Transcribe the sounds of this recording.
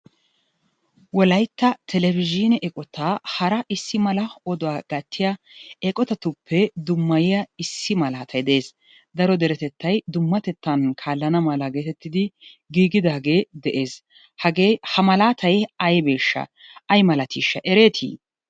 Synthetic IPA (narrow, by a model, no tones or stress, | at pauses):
wɔlɐjt̪ːɐt̪ʰɛlɛvɪd͡ʒinɛʔɛkʼɔt̪aːhɐɾɐʔɪsːɪmɐlɐɔd̪ɔwaːɡɐt̪ʰːɪjɐ | ɛkʼɔt̪ɐt̪ʊpʰːɛd̪ʊmːɐjɪjɐɪsːɪmɐlaːt̪ʰɐjd̪ɛʔeːs | d̪ɐɾɔd̪ɛɾɛt̪ɛt̪ːɐjd̪ʊmːɐt̪ɛt̪ʰːɐnkʰaːlːɐnɐmɐlaɡe̞ːt̪ɛt̪ːɪd̪ɪ | ɡiːɡɪd̪aːɡe̞ːd̪ɛʔe̞ːs | hɐɡehɐmɐlaːt̪ʰɐjɐjbe̞ːʃːɐ̰ɐjmɐlɐt̪iːʃːɐ̰ʔɛɾe̞ːt̪ʰḭː